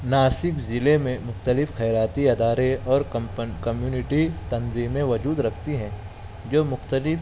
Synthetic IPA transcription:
naːsɪkzɪlemẽmʊxt̪əlɪfxɛːɾaːt̪iɐd̪aːɾeɔːɾkɐmjuːnɪʈit̪ɐnziːmːẽʋɐd͡ʒuːd̪ɾɐkʰt̪iɦɛ̃ː | d͡ʒoːmʊxt̪əlɪf

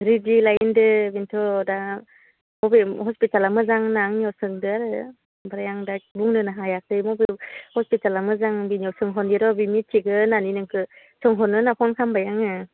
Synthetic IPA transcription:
ɾidilajndɯbintʰɔda | mɔbeɦɔspitalamɯzaŋnaŋniɔwsɯŋdɯaɾɯ | baɾajaŋdabuŋnɯnaɦajak̚tɯjmɔbehɔspitalamɯzaŋbiniɔwsɯŋɦɔndiɾɔbimittʰːiɡɯnaninɯŋkʰɯ | sɯŋɦɔnːɯnakʰɔnkʰambajaŋɯ

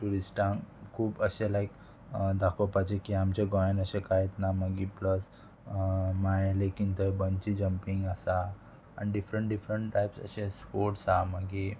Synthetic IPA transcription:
ʈuɾisʈãkʰuːpəɕẽlaik | d̪akʰopad͡ʑekiamt͡ɕeɡɔjnəɕẽkajet̪naməɡipləs | majlekint̪əbənt͡ɕid͡ʑəmpiŋɡasa̰ː | niɖifɾəɳʈɖifɾəɳʈʈajpsə̰ɕẽspoʈsaməɡi

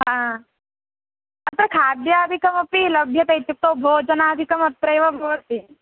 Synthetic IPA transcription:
ɦã | ɐt̪ɐɾkʰaːd̪jaəd̪ʱikɐmɐpilɐbʱjɐt̪ɐjt̪uk̚t̪obʱoːd͡ʒənaːd̪ʱikɐmɐt̪ɾɐjʋɐbʱoːt̪i

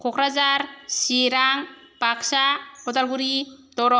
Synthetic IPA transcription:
kʰɔkʰɾazaɾsiɾaŋ | paksabɔtalɡuɾitɔɾɔ

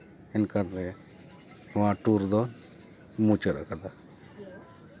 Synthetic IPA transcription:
ɛnkaɾɾɛ | ʊaʈuɾd̪ɔ | mut͡ʃəɾa̰kad̪a

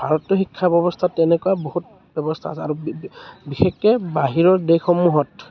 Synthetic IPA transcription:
bʱaɹɔtːɔxikʰːabɔbɔstʰatːɛnɛkuwabohut | b̥ɔbɔstʰaasɛaɹubixekːɛbaɦiɹɔɹdexɔmːuɦɔt

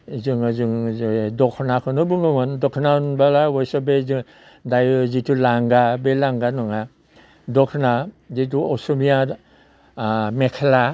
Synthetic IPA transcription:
zɯŋzɯŋdɔkʰnakʰɯnɔbɯŋɯŋɔndɔkʰnanbalawɔjsɔbezɯ | dajzitulaŋɡabelaŋɡanɔŋa | dɔkʰna | zit̬uɔsumia | mekʰela

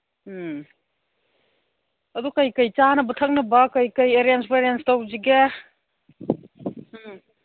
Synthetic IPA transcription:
ɐdukajkɐjt͡ʃanɐbɐtʰɐk̚nɐbɐkɐjkɐjeɾenspeɾenstawziɡe

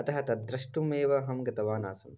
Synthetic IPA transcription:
ɐt̪ɐɦɐt̪ɐd̪ɾɐʂʈumeːʋɐɦɐmɡɐt̪ɐʋaːnaːsɐm

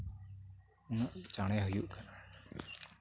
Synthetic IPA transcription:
unaʔt͡ʃaɽ̃ɛɦujuʔkana

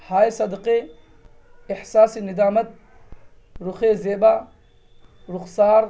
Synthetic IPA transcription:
haːjsɐd̪qe | ɪħsaːsinɪd̪aːmɐt̪̚ | ɾuxeːzeːbaː | ɾʊqsaːɾ

